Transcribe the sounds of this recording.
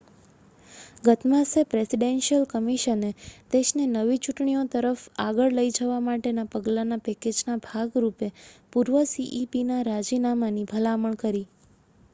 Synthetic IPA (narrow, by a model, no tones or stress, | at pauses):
ɡət̪mãsepɾesiɖenʃiəlkəmiʃəned̪eʃnenəʋit͡ʃuʈɳiot̪əɾəfaɡəɭləid͡ʒəʋamaʈenapəɡlanapɛked͡ʒnabʱaɡɾupepuɾʋəsiʔipinaɾad͡ʒinamanibʱəlaməɳkəɾi